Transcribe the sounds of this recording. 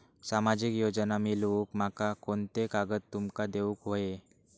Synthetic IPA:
samad͡ʑikjod͡ʑənamilukm̤akakont̪ekaɡət̪ːumkad̪euːkɦoe

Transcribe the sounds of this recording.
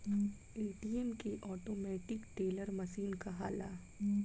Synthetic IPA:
eːʈiːemkeʔɔːʈoːmɛːʈɪkʈeːləɾmɐʃiːnkaɦa̰ːlaː

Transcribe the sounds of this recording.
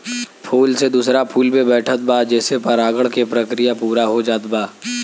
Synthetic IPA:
pʰuːlsed̪uːsɾapʰuːlmẽbɛːʈʰət̪̚bad͡ʒɛːsepɐɾaːɡəɽkepɾəkɾɪjapuːɾaɦod͡ʒaːt̪baː

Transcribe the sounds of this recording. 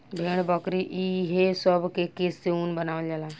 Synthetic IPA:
bʱeɽ̃bəkɾiʔiɦesəbʱkekeseuːnbənaʋəld͡ʒala

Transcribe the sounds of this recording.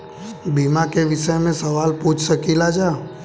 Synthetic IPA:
bimãkeʋɪʃəjmẽsəʋaːlpuːt͡ʃʰsəkilad͡ʒaː

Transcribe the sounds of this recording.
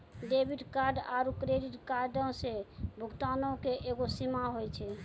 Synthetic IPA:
ɖebʱiɖkaɾɖaɾukɾeɖiʈkaɾɖɔ̃sebʱukt̪anokeʔeɡosimaɦojt͡ʃʰɛ

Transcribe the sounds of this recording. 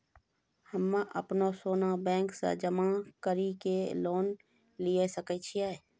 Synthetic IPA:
həmːãʔəpnosoːnabɛ̃ːŋksa̰d͡ʒəmakəɾikeloːn | lijesəkət͡ʃʰiaː

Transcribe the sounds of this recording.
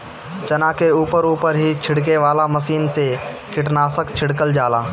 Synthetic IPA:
t͡ʃɐnakeuːpəɾuːpəɾɦit͡ʃʰɪɽk̬eʋaːlaməsiːnse | kɪʈnaːsəkt͡ʃʰɪɽkəld͡ʒaːlaː

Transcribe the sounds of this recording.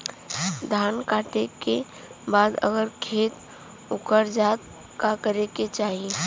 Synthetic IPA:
d̪ʱaːnkaːʈeke | baːd̪ə̰ɡəɾkʰeːt̪ | ʊkəɾd͡ʒaːt̪ | kakəɾeket͡ʃaːɦie

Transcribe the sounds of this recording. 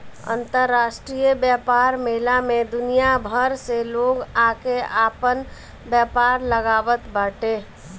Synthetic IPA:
ə̰nt̪əɾːasʈɾijəbjapaɾmeɦlamed̪unijabʱəɾseloɡakeapən | bjapaɾləɡabət̪baʈe

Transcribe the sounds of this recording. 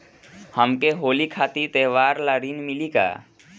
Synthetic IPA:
həmkeɦoːlikʰaːt̪it̪eːʋaːɾlaɾinmilika̰ː

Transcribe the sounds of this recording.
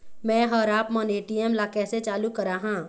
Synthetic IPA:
mɛ̃ːɦɐɾaːpməneːʈiɛmlaːkɛːset͡ʃaːlukɐɾaːɦãː

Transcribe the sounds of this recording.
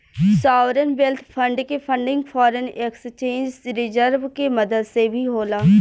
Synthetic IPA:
saːʋɾənʋelt̪ʰpʰəɳɖkepʰə̃ɳɖɪ̃ŋɡpʰɔːɾənekst͡ʃẽːnd͡ʒɾɪzəɾʋkeməd̪əd̪sebʱiɦoːlaː

